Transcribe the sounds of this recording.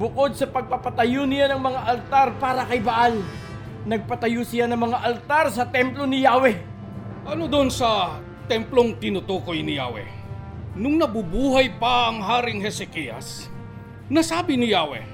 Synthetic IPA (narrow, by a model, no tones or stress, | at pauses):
bʊko̞d̪̚sɐpɐɡ̚pɐpɐt̪ɐjonɪjanɐŋmɐŋaʔɐlt̪aɾpaːɾɐkɐjbaʔal | nɐɡ̚pɐt̪ɐjosɪjanɐŋmɐŋaʔɐlt̪aɾsɐt̪ɛmplo̞nɪjaːwɛ | ʔɐnod̪onsɐ | t̪ɛmploŋt̪ɪnʊt̪oːko̞jnɪja̰ːwɛ̰ | nʊŋnɐbubuːɦɐjpɐʔɐŋɦaːɾɪŋɦɛsɛkijɐ̰s | nɐsaːbɪnɪjaːwɛ̰